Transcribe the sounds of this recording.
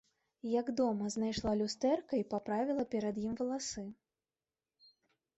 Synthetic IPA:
jɐɡd̪ɔmɐznajʂlˠalʲust̪ɛrkɐipapɾavʲilˠɐpʲɛɾɐd̪jimvɐlˠasɨ

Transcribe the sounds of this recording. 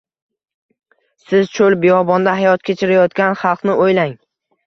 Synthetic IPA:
sɪzt͡ʃʰolˠbejɒbɒnd̪ahajɒt̪kʲʰe̞t͡ʃʰɪɾajɒt̪kʲanχɑlˠqnɪʔojlaŋ

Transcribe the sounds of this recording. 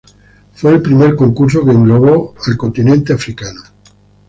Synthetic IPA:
fwe̞ːlpɾimeɾko̞ŋkuɾs̬o̞keːŋɡloɣoalko̞nt̪inẽnt̪eafɾikano

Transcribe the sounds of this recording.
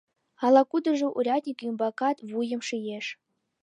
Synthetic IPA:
ɑlˠɑkud̪ɤ̆ʐɨ̆ʔurʲɑt̪ʲnʲikjumbɑkɑt̪vujɤ̆mʂijeʂ

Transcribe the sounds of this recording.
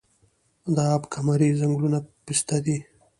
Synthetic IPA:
d̪aːbkʰamaɾizaŋɡlunapist̪ad̪i

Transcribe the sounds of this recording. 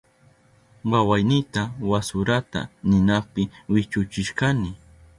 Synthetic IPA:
wawajnɪt̪awasʊɾat̪a̰nɪnapɪwɪt͡ʃʊt͡ʃɪʃkanɪ

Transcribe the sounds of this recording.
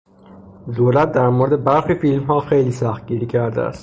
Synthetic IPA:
d̪oːlæt̪̚d̪æɾmoɾed̪ebæɾxiːfilmɦɒːxejliːsæxt̪̚ɟiːɾiːcʰæɾd̪ḛæ̰st̪

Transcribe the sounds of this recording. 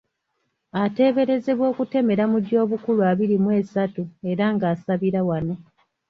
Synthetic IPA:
ate̞ːβe̞ɾe̞ze̞βwo̞ːkute̞me̞ɾamudo̞ːβukuluaːβiɾimwe̞ːsatue̞ɾaŋɡaːsaβiɾawano̞

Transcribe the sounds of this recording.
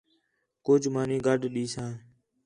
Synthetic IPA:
kʊːd͡ʒmaːnĩːɡəɖʱɗiːsãː

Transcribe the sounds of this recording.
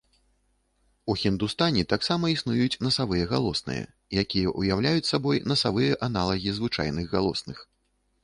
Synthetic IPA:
uxʲind̪ust̪anʲit̪aksamɐisnujut͡sʲnɐsavɨjɐɣalˠɔsnɨ̰jɐ̰ | jakʲijɛʔujawlʲajut͡sʲsabɔjnɐsavɨjɐʔan̪alˠɐɣʲizvɨt͡ʂa̰jnɨɣɣalˠɔsnɨx

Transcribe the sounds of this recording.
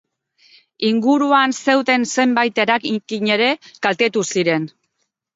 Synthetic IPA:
iŋɡuɾuanse̞wðe̞nse̞mbajt̪e̞ɾakiɲe̞ɾe̞kalt̪e̞t̪usiɾe̞n

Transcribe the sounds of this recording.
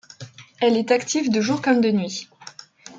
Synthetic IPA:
ɛlɛt̪akt̪ivd̪əʒuʁkɔmd̪ənɥi

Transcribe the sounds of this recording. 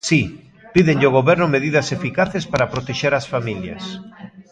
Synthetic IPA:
si | piðeɲʎoɣ̞oβɛɾnʊmeðiðɐsefikaθespaɾapɾot̪eʃeɾasfamiljɐ̰s

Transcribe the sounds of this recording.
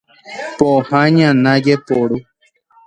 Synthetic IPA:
pohãɲãnãd͡ʒepoɾu

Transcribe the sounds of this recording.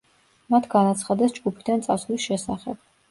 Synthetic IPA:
mat̪ʰɡanat̪sʰχad̪ɛsd͡ʒɡupʰi̥d̪ant̪sʼasulisʃɛsaχɛb̥̚

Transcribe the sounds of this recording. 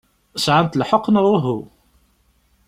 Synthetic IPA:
sʕant̪lħoqːənðˤʊɦu

